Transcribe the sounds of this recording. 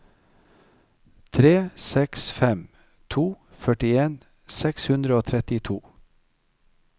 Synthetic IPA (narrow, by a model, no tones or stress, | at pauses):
t̪ʰɾeːsɛksfɛm | t̪ʰuː | fœʈɪeːn | sɛkshʉnd̪ɾəoːt̪ʰɾɛt̪ɪt̪ʰuː